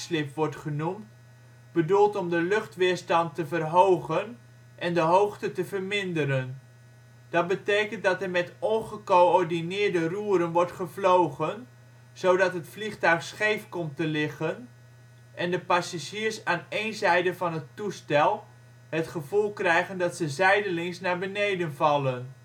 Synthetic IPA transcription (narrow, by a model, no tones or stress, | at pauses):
slɪpʋɔɹtχənumt | b̥ədulˠtɔmdəlɵχtʋɪːɹstɑntəvərɦowχən | ʔɛndəɦowχtətəvərmɪndəɾən | d̥ɑt̚bətejkəntdɑtɛɹmɛtɔnχəkoɔɹdinɪːɹdəruːɾənʋɔɹtχəvlowχən | z̥owdɑtɦətfliχtœɥχsχejfkɔmtəlɪχən | ʔɛndəpasaʒiːɹsaːnejnzɛjdəvɑnɦətustɛlˠ | ɦətχəvulˠkrɛjχəndɑtsəzɛjdəlɪŋsnaɹbənejdənvɑlˠən